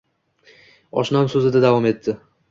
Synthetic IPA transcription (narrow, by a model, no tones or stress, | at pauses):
ɒ̰ʃnamsɵzɪd̪ad̪avɒme̞t̪ʰːɪ